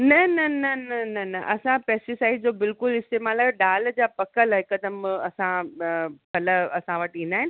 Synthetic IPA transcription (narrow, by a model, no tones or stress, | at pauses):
nɐnɐnɐnɐnɐnɐʔɐsãpɛːsʈisaːɪɖd͡ʑoːbɪlkʊlɪst̪eːmaːlaːɖaːld͡ʑaːpɐkəlɦɪkɐd̪əmɐsã | pɐləɐsãʋɐʈĩːnd̪aːɦɪnɪ